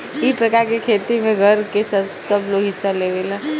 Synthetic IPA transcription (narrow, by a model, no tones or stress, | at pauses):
ɪspɾɐkaːɾkekʰeːt̪imẽɡʱɐɾkesɐtsɐbloːɡɦɪsːaleːʋelaː